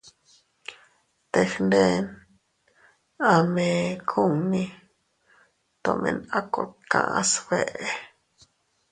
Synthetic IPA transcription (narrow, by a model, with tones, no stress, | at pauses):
t̪e˧˨xnd̪e˦˧n | a˧mẽ˧kʰu˦˨ŋnĩ˧ | t̪o˧mḛ̃˧na˦ko˧t̪̚kã̰˧˨ʔsbe˨ʔe˧